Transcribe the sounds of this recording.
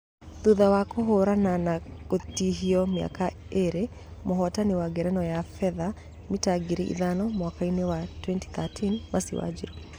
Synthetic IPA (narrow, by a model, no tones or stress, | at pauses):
ðuðawakoɦoɾananakotiɦiɔmja̰ka | eɾe | mɔɦɔtanewaɡɛɾɛnɔjafɛða | mitaɡiɾiʔḭðanɔmwakainewatwɛnti̥θatʰinmasḭwa̰d͡ʒḭɾo